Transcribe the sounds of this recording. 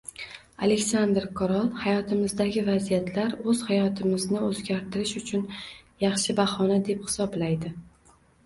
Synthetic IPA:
a̰lekʲsand̪ɾkʰɒɾɒlˠhajɒt̪ʰɪmɪzd̪aɡʲɪvazijat̪ʰlaɾɵz̥hajɒt̪ʰɪmɪznɪɵzɡʲaɾt̪ʰɪɾɪʃʊt͡ʃʰʊnjɑχʃɪbahɒnad̪e̞phɪ̥sɒblajd̪ɪ

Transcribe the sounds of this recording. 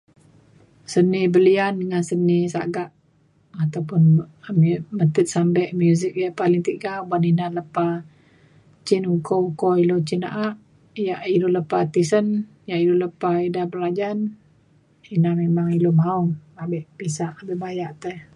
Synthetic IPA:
sənibəliandəŋansənisa̰ɡaʔ | at̪awpʊnmmət̪ət̪̚sambɛʔmjuzik̚jaʔpaliŋt̪iʔɡabaninaləpa | t͡ʃɪnukoukoilot͡ʃina̰ʔaʔ | jaʔiluləpat̪isən | jaʔiluləpaidabəlad͡ʒan | inamemaŋilomauabəʔpisaʔabəʔbajaʔt̪əh

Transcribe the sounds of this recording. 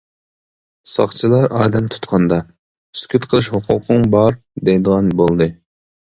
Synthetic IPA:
sɑ̰χt͡ʃʰɨlˠɑɾʔɑːd̪ɛmt̪ʰu̥t̪qʰɑnd̪ɑ | skʲʰyt̪qʰəlˠɨʃhʊqʰʊqʰɨŋbɑɾ | d̪ejd̪əʁɑnbolˠd̪ɨ

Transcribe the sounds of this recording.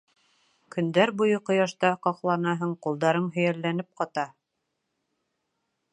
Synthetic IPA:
kɵ̆nd̪æɾbujɤqŏjɑʃt̪ɑqɑqlˠɑnɑɦɤɴqulˠd̪ɑɾɤɴɦɵ̆jælːænɘp̚qɑt̪ɑ

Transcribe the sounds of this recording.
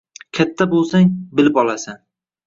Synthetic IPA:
kʲʰat̪ʰːabolˠsaŋbɪlɪpɒlˠasan

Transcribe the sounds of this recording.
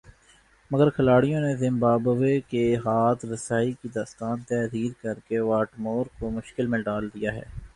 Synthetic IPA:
mɐɡəɾkʰɐlaːɽijõnezɪ̃mbaːbʋekeɦaːt̪ɾɐsaːikid̪aːst̪aːnt̪ɛːziːɾkɐɾkeʋaːʈmoːɾkomʊʃkɪlmẽɖaːld̪ijaɦɛ̰ː

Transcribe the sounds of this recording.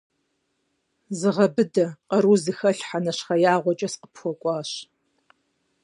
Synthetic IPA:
zɨʁɐbɨdɐqɐɾuːzɨxɐɬħanɐɕχɐjaːʁʷɔt͡ʃʼɐsqə̥pxʷɔkʷʼɑːɕ

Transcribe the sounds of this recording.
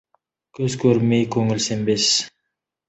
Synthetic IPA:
kʰɵzkʰøɾmejkʰɵŋylsembes

